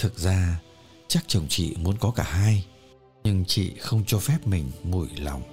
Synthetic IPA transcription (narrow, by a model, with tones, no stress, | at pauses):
t̪ʰɨ˨˩k̚zaː˧ | t͡ɕa˦˥k̚t͡ɕə˨˩wŋ͡mt͡ɕḭ˧˨mu˨˦ənkɔ˨˦kaː˧˩haː˧j | ɲɨ˧ŋt͡ɕḭ˧˨xə˧wŋ͡mt͡ɕɔ˧fɛ˦˥p̚mï˨˩ŋ̟mu˧˩jla̰˨˩wŋ͡m